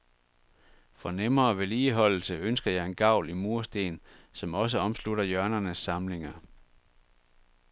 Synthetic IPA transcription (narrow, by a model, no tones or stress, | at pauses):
fɒ̽nemɐːʋe̝liːɦɒ̽l̰l̩səønsɡ̥ɐjɑ̈ɪe̝nɡ̥ɑ̈ʊ̰limuɐsd̥e̝ːnsɒ̽mɒ̽s̬əɒ̽msluɾɐjɶɐnɐnəsːɑ̈mle̝ŋɐ